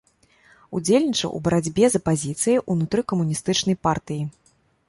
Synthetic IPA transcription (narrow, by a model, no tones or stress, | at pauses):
ṵd͡zʲelʲnʲit͡ʂɐ̰ʔṵbɐɾad͡zʲbʲɛzɐpazʲit̪sɨjiʔunut̪ɾɨkɐmunʲist̪ɨt͡ʂnɐjpart̪ɨji